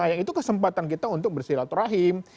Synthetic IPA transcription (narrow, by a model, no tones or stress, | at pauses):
ajaŋit̪ukəsəmpat̪ankit̪aunt̪ʊk̚bərsiɾat̪uɾaɦɪm